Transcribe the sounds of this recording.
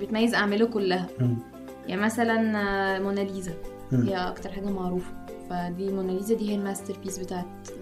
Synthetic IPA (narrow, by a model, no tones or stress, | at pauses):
bet̪mæjːezʔaʕmelukolːæhæ | jaʕimæsælænmonæliːzæ | hejːæʔɑ̰kt̪ɑɾˤħaːɡæmaʕɾuːfæ̥ | fæd̪iːmonæliːzæd̪iːhejælmæst̪eɾpiːsbet̪aːʕet̪